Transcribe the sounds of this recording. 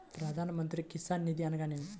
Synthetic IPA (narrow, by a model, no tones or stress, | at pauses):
pɾɐd̪ʱanmənt̪ɾikisanːid̪ianɡane